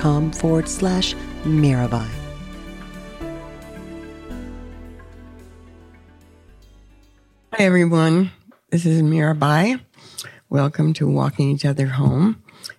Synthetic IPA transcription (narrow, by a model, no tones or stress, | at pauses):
kʰɑ̃mfɔɹəd̥slæʃmɛɹɨbaɪ | haɪɛvɹiwʌ̃nðɪs̬ɨzmɛɹɨbaɪ | wʔɛlˠkə̃mtʰəwɔ̰kɪ̃ŋit͡ʃʌðə˞ɦõʊ̃m